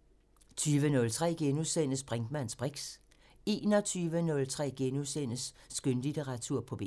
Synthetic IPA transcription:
t͡sʰyːʋənɔ̽lt͡sʰʁɛ̰ːɡ̥enusen̰əsb̥ʁɛŋd̥mæn̰sb̥ʁeɡ̥s | e̝̰ːnɒ̽t͡sʰyːʋənɔ̽lt͡sʰʁɛ̰ːɡ̥enusen̰əsː | ɡ̥ønlit͡sʰeʁɑ̈t͡sʰuɐ̰pʰɒ̽b̥e

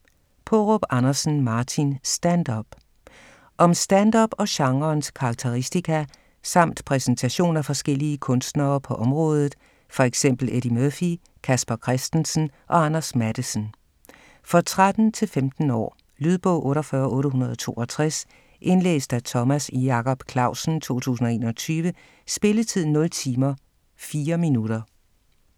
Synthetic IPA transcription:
pʰɒʁɔb̥ɑnɐsn̩mɑ̈ːt͡sʰinsd̥ænd̥ɒb̥ | ʔɒ̽msd̥ænd̥ɒb̥ɒ̽ɕɑ̈ŋɐnskʰɑ̈ːɡ̥̚t͡sʰeʁisd̥ikʰæ | sɑ̈m̰d̥pʰʁɛsent͡sʰæɕo̝̰ːnæfɒ̽sɡ̥el̰iəkʰɔ̽nsd̥nɐːpʰɒ̽ʔɒ̽mʁɔ̽ːð̞ˠð̩ˠ | fɒ̽eɡ̥sem̰b̥l̩eɾimøfi | kʰæsb̥ɐkʰʁɛsd̥ənsn̩ʔɒ̽ɑnɐsmæɾ̥əsən̩ | fɒ̽t͡sʰʁad̥n̩t͡sʰe̝lfemd̥n̩ɒ̰ː | lyð̞ˠb̥ɔ̰ʊ̰ʔɔ̽ːɾɒfɶɐʔɔ̽ːɾəɦunɐð̞ˠɒt͡sʰo̝̰ːʔɒt͡sʰʁas | ʔe̝nlḛːsd̥æt͡sʰɒ̽mæsijɑ̈kʰɒ̽b̥kʰlɑ̈ʊ̰sn̩t͡sʰo̝̰ːt͡sʰṵːs̬n̩ɒ̽e̝ːnɐt͡sʰyːʋə | sb̥e̝lət͡sʰið̞̰ˠnɔ̽lt͡sʰiːmɐ | fiːɐminuɾ̥ɐ

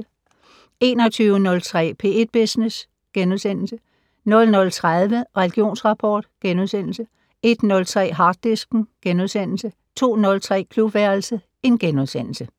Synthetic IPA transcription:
e̝ːnɒ̽t͡sʰyːʊənɔ̽lt͡sʰʁɛ̰ːpʰe̝̰ːed̥̚b̥esnes | ɡ̥enuðˠsen̰l̩sə | nɔ̽lnɔ̽lt͡sʰʁaðˠʋəʁɛliɡ̥io̝̰ːnsʁɑ̈pʰɒːd̥ɡ̥enuð̞ˠsen̰l̩sə | e̝d̥nɔ̽lt͡sʰʁɛ̰ːɦɑ̈ːd̥ːisɡ̥n̩ɡ̥enuðˠsen̰l̩sə | t͡sʰo̝̰ːnɔ̽lt͡sʰʁɛ̰ːkʰlub̥ʋæɐlsə | e̝nɡ̥enuðˠsen̰l̩sə

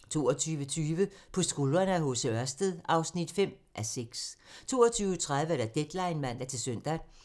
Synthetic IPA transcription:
t͡sʰo̝̰ːɐt͡sʰyːʋət͡sʰyːʋəpʰɒ̽sɡ̥olɐnəæɦɔ̽səɶɐsd̥əðˠʔɑ̈ʊsnid̥fem̰ | ʔæseɡ̥st͡sʰo̝̰ːɐt͡sʰyːʊət͡sʰʁaðˠʋəæɾ̥æd̥ed̥lɑ̈ɪnmæn̰d̥æt͡sʰe̝lsøn̰d̥æ

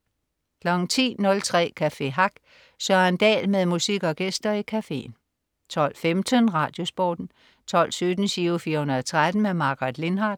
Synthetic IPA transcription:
kʰlɒŋt͡sʰḭːnɔ̽lt͡sʰʁɛ̰ːkʰæfe̝̰ɦɑ̈ɡ̥ | sɶɐend̥ɛ̰ːlmeðˠmusiɡ̥ɒ̽ɡ̥esd̥ɐikʰæfe̝̰ːn | t͡sʰɒ̽l̰femd̥ənʁɑ̈ːd̥jo̝sb̥ɒ̰ːd̥n̩ | t͡sʰɒ̽l̰sød̥n̩syːfiːɐhunɐðˠɒt͡sʰʁad̥n̩memɑ̈ɡ̥ʁɑd̥le̝nɦɑ̈ːd̥

